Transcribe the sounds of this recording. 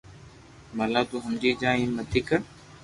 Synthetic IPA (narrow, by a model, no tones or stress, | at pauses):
maːlaːt̪uːɦəmd͡ʑiːd͡ʒãːĩːnmət̪ʰiːkə